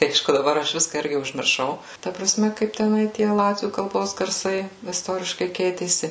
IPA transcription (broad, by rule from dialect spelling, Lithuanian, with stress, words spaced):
ˈɐɪʃkʊ dɐˈbɐr ˈɐʃ ˈʋʲɪskɐ ˈɪrʲɡʲɪ ʊʒʲmʲɪrˈʃɐʊ ˈtɐ prɐˈsʲmʲɛ kɐɪp tʲɛˈnɐɪ ˈtʲiɛ ˈlˠɑːtʲʋʲuː kɐlˠˈboːs ɡɐrˈsɐɪ ɪsˈtoːrʲɪʃkɐɪ ˈkʲɛɪtʲeːsʲɪ